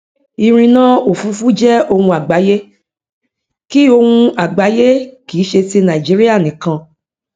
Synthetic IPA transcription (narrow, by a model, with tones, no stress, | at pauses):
i˧ɾ̃ĩ˧nã˦o˨fu˨˦fu˦d͡ʒɛ˦o˧hũ˧a˨ɡ͡ba˨˦je˦ | ki˦o˧hũ˧a˨ɡ͡ba˨˦je˦kiː˨˦ʃe˧ti˧nã˨i˨d͡ʒi˨˦ɾi˦a˦˨nĩ˨kã˧